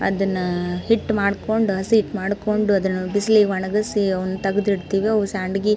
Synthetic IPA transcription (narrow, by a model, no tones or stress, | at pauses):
ɐ̰d̪ɐnːɐhiʈːmaːɽkoɳɖuɦɐsiɦiʈmaːɽkoɳɖuɐd̪ɐnːɐbisliʋɐɳɐɡɐsiɐʋɐnːut̪ɐɡɐd̪iɽt̪iːʋiɐʋusaːɳɖɡi